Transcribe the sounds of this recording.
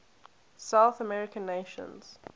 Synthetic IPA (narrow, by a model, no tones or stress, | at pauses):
saʊθəmɛɹɪkə̃nːeʃə̰̃nz̥